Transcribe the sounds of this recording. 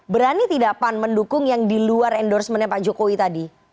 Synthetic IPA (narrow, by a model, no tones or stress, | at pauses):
bəɾanit̪idaʔpanməndukʊŋjaŋdiluarɛndɔrsmənɛpad͡ʒokowit̪adi